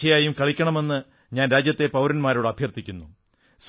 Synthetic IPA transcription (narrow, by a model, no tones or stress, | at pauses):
ɐjaːjumkɐɭikʲːɐɳɐme̞nːɨ | ɲaːnɾaːd͡ʑjɐt̪ːe̞pɐwɾɐnmaːɾoɽɨɐbʱjɐrt̪ːikʲːunːu | s